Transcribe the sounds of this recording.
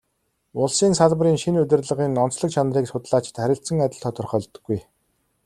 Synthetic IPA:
ʊɮsiːnsaɮpəɾiːŋʃinɵt̪ʲɘ̆rɮə̆ʁiːnɔnt͡sɮə̆k̚t͡ɕʰanriːksʊt̪ɮaːt͡ɕɪ̥̆t̪χæɾʲɪ̆ɬt̪sə̆ŋat̪ʲɪ̆ɮt̪ʰɔːt̪ʰʊrχœːɮt̪ɵ̆ɡːuj

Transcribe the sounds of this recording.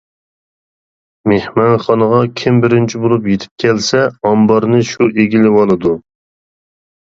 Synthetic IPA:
mehmɑnχɑnəʁɑkʲʰɪmbɪɾɪnt͡ʃʰibolˠupjet̪ʰɪ̥p̚kʲʰɛlsɛɑmbɑɾnɨʃuʔeɡʲilɪwɑlˠɨd̪u

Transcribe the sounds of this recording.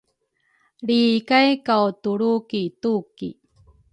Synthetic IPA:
ɭikajkawtuɭukitukḭ

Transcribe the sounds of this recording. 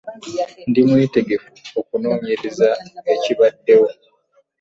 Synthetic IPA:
ndimwiːte̞ɡe̞fuokunoːɲeɾezaeciβadːe̞wo̞

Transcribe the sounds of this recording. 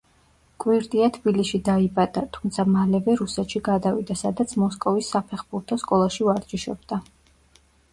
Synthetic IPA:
kʼwiɾt̪ʼiat̪ʰb̥ilisʃid̪aibad̪̥at̪ʰumt̪sʰamalɛvɛɾusɛt̪ʃiɡad̪avid̪asad̪at̪sʰmɔskʼɔvisːapʰɛχbuɾt̪ʰɔskʼɔlˠaʃivaɾd͡ʒiʃɔbd̪a

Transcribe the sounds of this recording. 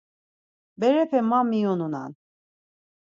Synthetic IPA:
bɛɾɛpʰɛmamːionuna̰n

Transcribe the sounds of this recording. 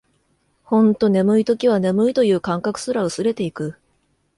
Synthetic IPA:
hõ̞nt̪o̞ne̞mɯ̟it̪o̞kʲiβ̞ane̞mɯ̟it̪o̞jɯ̟ːkãŋkakɯ̟̥sɨɾaɯ̟sɨɾe̞t̪e̞ikɯ̟

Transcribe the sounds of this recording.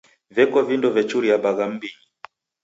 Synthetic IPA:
vɛkɔvindɔvɛt͡ʃuɾiaɓaɣam̩biɲi

